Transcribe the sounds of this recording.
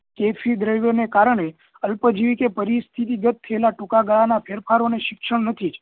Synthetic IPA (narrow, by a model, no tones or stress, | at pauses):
kefʰid̪ɾəʋjonekaɾəɳ̃e | əlpəd͡ʒiʋikepəɾist̪ʰit̪iɡət̪̚t̪ʰːəelaʈukaɡaɭanapʰeɾpʰaɾoneʃɪkʃəɳnət̪ʰid͡ʒ